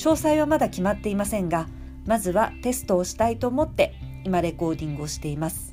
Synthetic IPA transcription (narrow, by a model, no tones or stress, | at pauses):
ɕo̞ːsaiβamad̪akʲimat̪ːe̞imasẽ̞ŋɡa | mazɨβat̪e̞sɨ̥t̪o̞ːɕi̥t̪ait̪o̞ːmo̞t̪ːe̞ | imaɾe̞ko̞ːd̪ʲĩŋɡɯ̟o̞ɕi̥t̪e̞imasɨ̥